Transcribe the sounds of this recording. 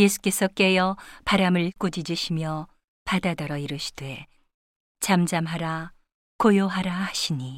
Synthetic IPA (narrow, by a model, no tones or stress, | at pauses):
je̞sʰu̥k͈e̞sʰʌk͈e̞jʌpaɾamɯɭk͈ud͡ʑid͡ʑiɕʰimjʌ | padadʌɾʌiɾɯɕʰi̥d̥we̞ | t͡ɕamd͡ʑamɦaɾa | kojoɦaɾahaɕʰiɲi